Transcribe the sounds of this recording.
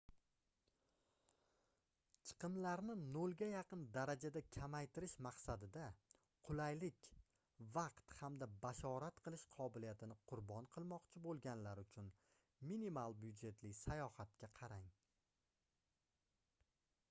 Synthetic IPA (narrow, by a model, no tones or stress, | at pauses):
t͡ʃʰɨ̥qʰɨmlaɾnɪnolˠɡʲajɑqɨnd̪aɾad͡ʒad̪akʲʰamajt̪ʰɪɾɪʃmaqsad̪ɪd̪a | qʰʊlajlɪkʲ | vɑqt̪hamd̪abaʃɒɾat̪qʰɨlˠɪʃqʰɒbɪlijat̪ʰɪnɪqʰʊɾbɒnqʰɨlˠmɒqt͡ʃʰɪbolˠɡʲanlaɾʊt͡ʃʰʊn | minimalˠbjʊd̪d͡ʒe̞t̪lɪsajɒhat̪̚kʲaqʰɑɾaŋ